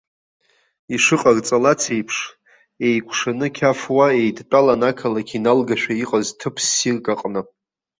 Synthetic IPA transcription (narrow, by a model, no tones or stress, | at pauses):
iʂɨqʼart͡sʼalat͡sʰejpʰʂ | e̞jkʷʰʼʂanɨkʲʰafwaejdt͡pʼalanakʰalakʰʲinalɡaʃᶣaiqʼaztʰɨpʰsːirkʼaqʼna